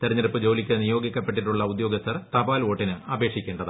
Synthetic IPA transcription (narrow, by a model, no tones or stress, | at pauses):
t̪eɾɐɲːɐɾɨpːɨd͡ʑo̞ːlikʲːɐnijo̞ːɡikʲːɐpːeʈːiʈːuɭːɐud̪jo̞ːɡɐst̪ːɐrt̪ɐbaːlo̞ːʈːinɨɐbe̞ːkʂikʲːe̞ːɳɖɐðɨ